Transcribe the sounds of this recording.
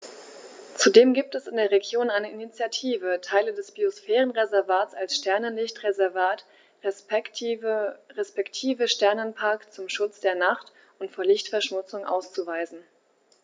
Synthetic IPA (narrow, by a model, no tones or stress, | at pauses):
t͡sudeːmɡiːp̚tɛsɪndeːɐʁeɡjoːnaɪnəʔinit͡sjatʰiːvətʰaɪlədɛsb̥iosfɛːʁənʁezɛɐvaːtt͡salsʃtɛɐnənlɪçtʁezɛɐvaːt | ʁespɛktʰiːvəʃtɛɐnənpʰaɐkt͡sʊmʃʊt͡sd̥eːɐnaχt | ʔʊntfoːɐlɪçtfɛɐʃmʊt͡sʊŋʔa̰ʊst͡suvaɪzn̩